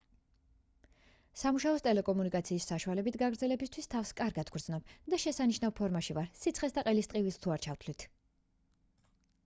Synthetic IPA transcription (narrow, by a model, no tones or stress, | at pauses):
samuʃaɔst̪ʼɛlɛkʼɔmunikʼat̪sʰiːsːaʃualɛbit̪ʰɡaɡɾd̪zɛlɛbist̪ʰwist̪ʰafskʼaɾɡad̪ɡɾd̪znɔb̥d̪aʃɛsaniʃnavpʰɔɾmaʃivaɾsit̪sʰχɛsd̪aqʼɛlist̪ʼqʼivist̪ʰuaɾt͡ʃʰaft̪ʰlit̪ʰ